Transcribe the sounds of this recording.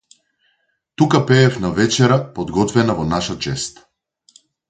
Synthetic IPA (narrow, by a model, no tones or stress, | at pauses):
t̪ukapɛːfnavɛt͡ʃɛɾapɔd̪ɡɔt̪vɛnavɔnaʃat͡ʃɛst̪